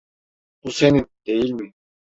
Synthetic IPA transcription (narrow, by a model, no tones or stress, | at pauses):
b̥usenind̪̥e̞jilʲmi